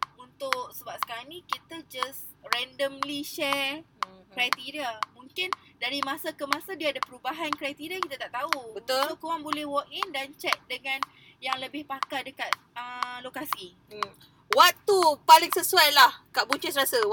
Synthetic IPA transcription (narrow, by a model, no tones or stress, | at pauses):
unt̪ʊk̚səbap̚sə̥kaɾanĩkit̪ad͡ʒas | rɛndəmliʃɛ | kɾajt̪iɾiamũŋkɪndaɾimãsakəmãsadiaːdapəɾubaɦankɾajt̪iɾiakit̪at̪aʔt̪aubət̪ʊlukowaŋbolɛhwɔk̚indant͡ʃɛk̚dəŋãn | jaŋləbɪhpakadəkat̪̚əlokasi | wak̚t̪upalɪŋsəsuajlahkaʔbuɲt͡ʃisɾasa